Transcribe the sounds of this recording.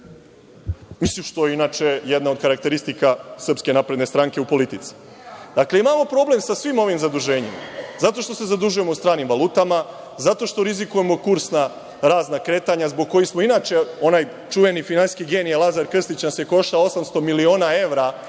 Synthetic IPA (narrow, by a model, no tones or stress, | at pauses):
misiʃt̪ojeinat͡ʃe̞jɛd̪nao̞d̪kaɾak̚t̪e̞ɾist̪ikasr̩pske̞napɾed̪ne̞st̪ɾaŋke̞upo̞lit̪it̪si̥ | d̪akle̞imamo̞pɾo̞ble̞msasʋimo̞ʋimzad̪uʒe̞ːɲḭma̰zat̪o̞ʃt̪o̞se̞zad̪uʒuje̞moust̪ɾaːnimʋalˠuːt̪ama | zat̪o̞ʃt̪o̞ɾizikuje̞mo̞kuɾsna | ɾaːznakɾe̞ːt̪aɲazboɡ̚ko̞jismo̞inaːt͡ʃe̞o̞naj | t͡ʃuʋe̞nifinaniskiɡenijelˠazaɾkr̩st̪it͡ɕnasjeko̞ʃt̪ao̞samst̪o̞milio̞ːnae̞ʋɾa